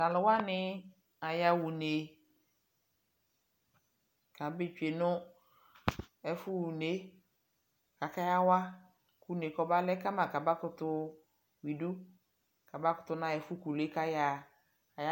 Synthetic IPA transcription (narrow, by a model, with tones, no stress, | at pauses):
la˨lʊ˨wa˦nɪ̃˦ | a˨ja˨wu˨ne˨ | ka˨be˦t͡ʃᶣe˨nʊ̃˦ | ɛ˨fʊ˦wu˨ne˦ | ka˨ka˦ja˦wa˦ | ku˦ne˨kɔ˨ba˦lɛ˦ka˦mã˨ka˨ba˦kʊ˨t̪ʊ˦ | wi˨du˦ | ka˨ba˦kʊ˦t̪ʊ˦nã˦ɛ˨fʊ˦ku˨le˦ka˦jaː˨ | ja˦